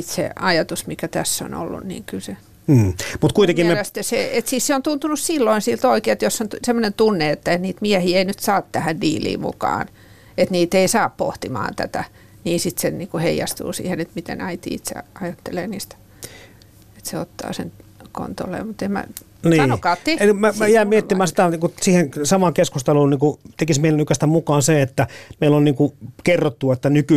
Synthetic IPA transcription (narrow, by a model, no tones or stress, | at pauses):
it̪sḛɑjɑt̪usmikæt̪æsːo̰no̰lːṵnnḭːŋkylseː | mut̪kuit̪ekimelæst̪eseet̪siːsseont̪unt̪unussilːoinsilt̪oikeːet̪josːontsemːonent̪unːeet̪ːæniːt̪miæhiːeinyt̪sɑːt̪t̪æhændiːlḭːmṵkɑ̰ːn | et̪niːt̪eisɑːppo̰ht̪imɑ̰ːnt̪æ̰t̪æ | niːsit̪senniːkuheijɑst̪ṵːsḭːhenet̪mit̪ḛnɑit̪ḭːit̪sḛɑjɑt̪ːeleːniːst̪æ̥ | et̪seot̪ːɑ̰ːsenko̰nt̪o̰lḛːmut̪emmæ̰ | niːnokɑːt̪ːemæmæjæimietːimæːsit̪æikusiːhensɑmɑŋkeskust̪ɑluːnniːŋkut̪ekismeˑilænykæst̪æmukɑːnseet̪ːæmeilːonniːŋkukerːot̪ːuɑet̪ːænyky